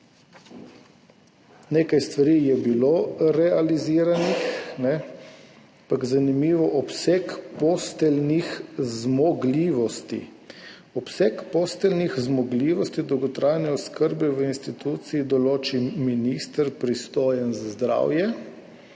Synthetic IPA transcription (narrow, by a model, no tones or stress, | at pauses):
neːkajst̪ʋaɾijɛbiloɾɛaliziːɾanixnɛ | apaɡzanimiːʋɔʔɔpsɛkpɔst̪ɛlnixzmɔɡliːʋɔst̪ḭ | ɔpsɛkpoːst̪ɛlnixzmɔɡliːʋɔst̪id̪ɔwɡɔt̪ɾaːjnɛɔskəɾbɛʋəinst̪it̪uːt̪siːd̪ɔloːt͡ʃiminist̪əɾpɾist̪oːjənzazd̪ɾa̰wjɛ